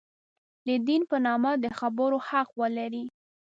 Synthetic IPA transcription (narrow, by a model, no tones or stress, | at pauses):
d̪əd̪inpənɑmad̪əxabəɾohaqwəlaɾi